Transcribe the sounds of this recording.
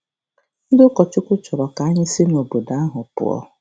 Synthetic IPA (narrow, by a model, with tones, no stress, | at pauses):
n̩˦dkɔ˨t͡ʃʊ˦kʷʊ˦t͡ʃɔ˨ɾɔ˨ka˨˦ɲɪ˦si˦n˨o˨bo˨da˦a˦ɦʊ˨pʊ̰˨ɔ̰˦